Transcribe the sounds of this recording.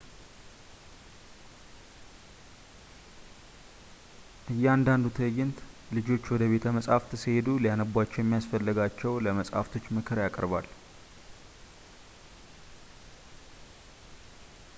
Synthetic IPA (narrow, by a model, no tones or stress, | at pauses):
ʔɨjːɛand̪and̪ut̪ʰəjɪnt̪lɨd͡ʒo̞t͡ʃːwɔd̪əβe̞t̪ʰəməsʼhaft̪ʰɨshed̪ulijanəbwat͡ʃːɛwjɛmːijasfəlːɨɡat͡ʃːɛwləməsʼha̰ft̪ʰo̞t͡ʃːmɨkʰɨɾjakʼəɾbal